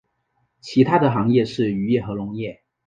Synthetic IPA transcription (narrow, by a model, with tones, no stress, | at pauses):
t͡ɕʰi˧˥t̪ʰa˥d̪ə˨xɑ˧˥ŋjɛ˥˧ʂɻ̩˥˩y˧˥jɛ˥˩xɤ˧˥lʊ˧˥ŋjɛ˥˩